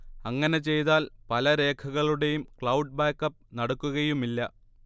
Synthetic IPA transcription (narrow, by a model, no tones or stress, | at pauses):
ɐŋːɐne̞t͡ɕe̞jt̪aːlpɐlɐɾe̞ːkʰɐɣɐɭuɽe̞jumkɭɐwɖ̚baːkːɐp̚ːnɐɽukːuɣɐjumilːɐ